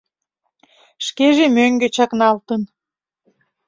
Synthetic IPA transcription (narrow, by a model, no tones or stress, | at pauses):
ʃkeʒemøŋɡet͡ɕɑknɑlt̪ən